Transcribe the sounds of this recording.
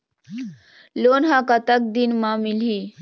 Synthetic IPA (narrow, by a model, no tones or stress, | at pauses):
lonɦãkət̪ək̚d̪inmãmili